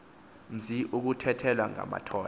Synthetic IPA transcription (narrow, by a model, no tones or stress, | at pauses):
m̩ziʔuk̬utʰɛtʰɛlwaŋa̰ma̰tʰɔːl